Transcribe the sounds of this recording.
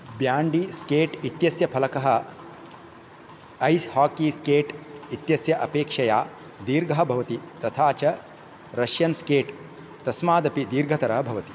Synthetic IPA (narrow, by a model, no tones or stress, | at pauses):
bjaːɳɖiskeːʈit̪jɐsjɐpʰɐlɐkɐɦɐ | ɐjshaːkiskeːʈit̪jɐsjɐʔɐpeːkʂɐjaː | d̪iːɾɡʱɐɦɐ̆bʱɐʋɐt̪it̪ɐt̪ʰaːt͡ʃɐ | ɾɐʃjɐnskeːʈ | t̪ɐsmaːd̪ɐpid̪iːɾɡʱɐt̪ɐɾɐɦɐbʱɐʋɐt̪i̥